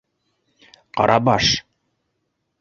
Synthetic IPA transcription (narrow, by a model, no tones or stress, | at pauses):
qɑ̰ɾʔɑbɑʃ